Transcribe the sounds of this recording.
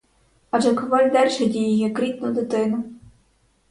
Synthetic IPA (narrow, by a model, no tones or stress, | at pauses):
ɐd͡ʒɛkʊʋɑlʲd̪ɛlʲʃɛdʲijɪjɛkɾʲit̪nʊd̪ɪt̪ɪnʊ